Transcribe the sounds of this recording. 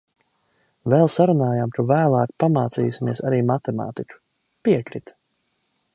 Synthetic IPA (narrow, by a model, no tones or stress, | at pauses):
vɛlˠsaɾunaːjamt̪uvæːlˠaːkpamaːt̪siːsimiɛsaɾiːmat̪ɛma̰ːt̪ikʲu̥ | piɛkɾit̪